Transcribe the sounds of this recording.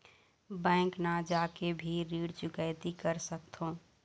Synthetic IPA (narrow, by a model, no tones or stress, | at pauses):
bɛ̃ːŋknad͡ʒakebʱiɾiːɽt͡ʃʊkəɪt̪ikəɾsəkt̪ʰõ